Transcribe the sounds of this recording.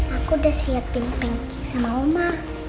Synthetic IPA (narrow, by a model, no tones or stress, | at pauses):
akudasiapːinpɛŋkisamaumah